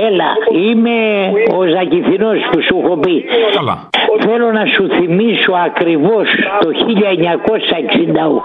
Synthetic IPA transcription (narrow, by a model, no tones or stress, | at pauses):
elɐ̰ime̞ozɐciθinospusuxopi | θelo̞nɐsuθimiso̞ɐkɾivo̞st̪o̞çiʎɐeɲɐko̞sɐeksind̪ɐṵ